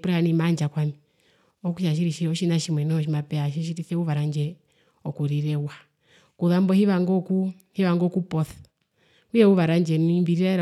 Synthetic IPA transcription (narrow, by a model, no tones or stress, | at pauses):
puɾanimand͡ʒakwami | ɔkuʃaʃ̬iɾiʃiɔʃinaʃimwɛnɔʃ̬imapɛaʃ̬iʃ̬iɾiθɛuβaɾand͡ʒɛ | ɔkuɾiɾɛwa | kuðambɔhiβaŋɡɔku | hiβaŋɡɔkupɔθḁ | ujɛuβaɾand͡ʒɛnimbiɾiɾaɾ